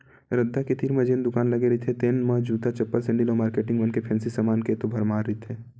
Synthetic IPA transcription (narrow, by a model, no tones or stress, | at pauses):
ɾɐd̪ʱːaket̪ʰiːɾmɐd͡ʒeːnd̪ʊkaːnlɐɡeɾɐit̪ʰet̪eːnmad͡ʒuːd̪at͡ʃɐpːəlsɛ̃ɳɖiloːmaːɾkeːʈɪ̃ŋɡʋɐnkepʰɛ̃ːnsisamaːnket̪obʱɐɾmaːɾːəit̪ʰeː